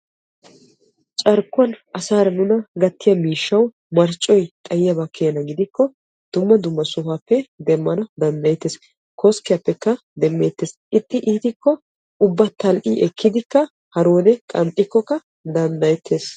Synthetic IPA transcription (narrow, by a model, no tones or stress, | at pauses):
t͡ʃʼɐɾkːʊɐnʔɐsaːɾɐnʊnɐɡɐt̪ːɪjɐmiːʃːɐw | mɐɾt͡ʃʼːɔjt̪ʼɐjɪjɐbɐkʰːeːnɐɡɪd̪ɪkʰːɔ | d̪̥ʊmːɐd̪ʊmːɐsʊhapːɛd̪ɛmːɐnɐd̪ɐnd̪ɐjɛt̪ːeːs | kʰɔskːɪjɐpːɛkːɐ | d̪ɛmːe̞ːt̪ːeːsʔɪt̪ʼːɪʔiːt̪ɪkːɔ | ʊbːɐt̪ɐlʔiʔɛkʰːɪd̪ɪkːɐ | hɐɾo̞ːd̪ɛkʼɐnt̪ʼːɪkːɔkːɐ | d̪ɐnd̪ɐjɛt̪ʰːeːs